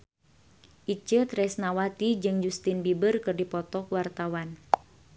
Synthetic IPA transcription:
ʔit͡ʃət̪ɾɛsnawat̪id͡ʒɨŋd͡ʒust̪inbibərkɨrdipɔt̪ɔkwart̪awan

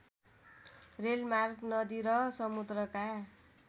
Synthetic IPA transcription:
relmarknʌd̪iɾʌsʌmud̪rʌka

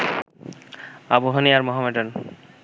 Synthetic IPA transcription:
aboɦoniaɾmɔɦameʈon

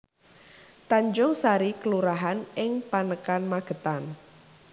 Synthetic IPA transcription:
t̪aɲd͡ʒʊŋsaɾikəluɾaɦanɪŋpanəkanmaɡ̥ə̤t̪an

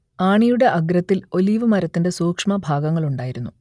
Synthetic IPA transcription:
aːɳijuɽe̞ʔɐɡrɐt̪ːilo̞liːʋɨmɐɾɐt̪ːinde̞soːkʂmɐbʱaːɡɐŋːɐɭuɳɖaːjiɾunːu

